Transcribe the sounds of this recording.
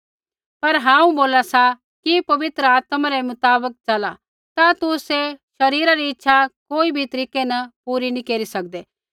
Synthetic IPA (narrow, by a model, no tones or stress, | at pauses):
pɐɾɦãːũboːlasa | kipɐʋɪt̪ɾəaːt̪maɾemʊt̪aːbək̚t͡ʃɐla | t̪at̪ʊseʃɐɾiːɾaɾiɪtːʃʰakoːibʱit̪ɐɾiːkenɐpuːɾinĩkeːɾisɐk̚d̪eː